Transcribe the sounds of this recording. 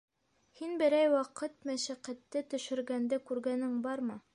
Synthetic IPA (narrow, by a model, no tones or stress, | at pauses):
hinbɘ̆ɾæjwɑqɤt̪mæʃæqæt̪ːɘt̪ɵ̆ʃɵ̆ɾɡænd̪ɘkʉɾɡænɘŋbɑɾmɤ